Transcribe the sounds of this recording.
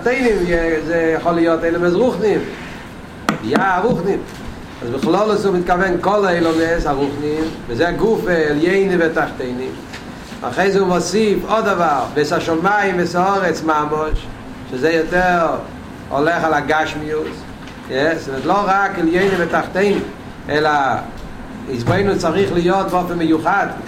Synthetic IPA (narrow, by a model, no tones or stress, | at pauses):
teɪnɪmɛzejəχɔlˠɪjɔteɪlˠəmɛs̬ʁuχnɪm | vjaaʁuχnɪm | a̰sbɪχlˠɔlˠəsomɪt̚kavɛnkɔlˠaeɪlˠɔmesaʁuχnɪmvizeaɡufeɛlˠjeɪnɪvɛtaχteɪnɪm | a̰χeɪzeumɔsifɔdavaʁbɛsaʃɔmaɪmvɛsaɔʁɛt͡smamɔʃ | ʃazejɔtɛʁ | ɔ̰lɛχalˠaɡaʃmius | jɛsɪvɛtlˠoʁakɛljeɪnɪmvɛtaχteɪnɪm | ɛla | izboɪnut͡saʁiχlɪjɔtvɔfɛməjuχad